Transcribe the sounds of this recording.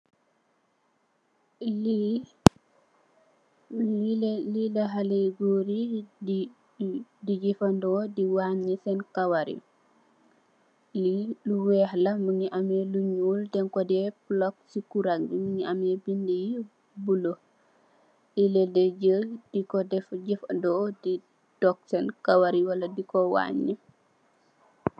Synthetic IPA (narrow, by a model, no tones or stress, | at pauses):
lilaɦaleɡoɾi | did͡ʒifandɔːdiwaɲisɛnkawaɾḭ | liluwɛːhlɐmuɲiʔamɛluɲuːldɛŋkɔdɛblɔk̚sikuɾaŋdimuɲiamɛbindiji | bulo | ilɛdɛɟəd̥ikɔdɛfɟifndɔːdi | d̥ɔk̚sɛnkawaɾiwɐlɐdikɔwa̰ːɲːi